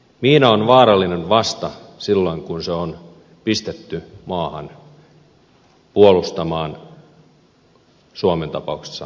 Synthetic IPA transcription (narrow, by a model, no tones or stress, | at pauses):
miːnæonʋɑːɾɑlːinenʋɑst̪ɑsilːo̞iŋkunseon | pist̪et̪ːymɑːhɑ̰n | puolust̪ɑmɑːn | suoment̪ɑpɑukse̥sːɑ